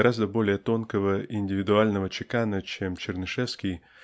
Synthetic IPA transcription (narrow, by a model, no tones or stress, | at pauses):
ɾazd̪əbo̞lʲɪjət̪o̞nkəvəʔɪnʲdʲɪvʲɪd̪ʊalʲnəvət͡ɕɪkanət͡ɕemt͡ɕɪrnɨʂɛfskʲɪj